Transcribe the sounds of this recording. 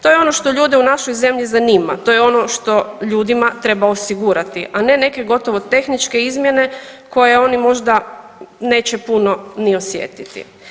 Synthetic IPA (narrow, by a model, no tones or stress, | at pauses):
t̪o̞jeo̞no̞ʃt̪o̞ʎuːd̪iunaʃo̞jze̞mʎizaniːma̰t̪o̞jeo̞no̞ʃt̪o̞ʎuːd̪imat̪ɾe̞baosiɡuɾat̪iʔane̞ne̞ke̞ɡo̞t̪o̞ʋo̞t̪e̞xnit͡ʃke̞izmje̞ne̞ko̞je̞o̞nimo̞ʒd̪a | ne̞ːt͡ɕepuno̞nio̞sjḛt̪it̪ḭ